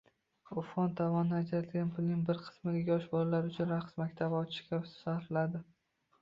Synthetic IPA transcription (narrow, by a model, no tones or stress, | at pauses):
ʊfɒnt̪ʰavɒnːɪad͡ʒɾad̪ɪɡʲanpʰʊlnɪŋʲbɪɾqʰɨ̥smɪd̪ʲajɒʃbɒlalaɾʊt͡ʃʰʊnɾaqsmakʲt̪ʰabɒt͡ʃʰɪ̥kʲʰassaɾflad̪ɪ